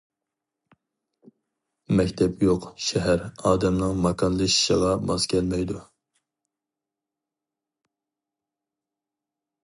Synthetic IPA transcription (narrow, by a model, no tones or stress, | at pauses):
mɛkʲt̪ʰɛpjoqʃɛɦæɾɑːd̪ɛmnɨŋmɑkʰɑnlˠɨʃi̥ʃəʁɑbɑz̥kʲʰɛlmɛjd̪u